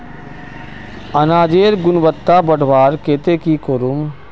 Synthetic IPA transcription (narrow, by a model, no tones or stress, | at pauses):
ɐnaːd͡ʒeːɾɡʊnʋət̪ːabəɽʱʋaːɾkeːt̪ekikoːɾʊm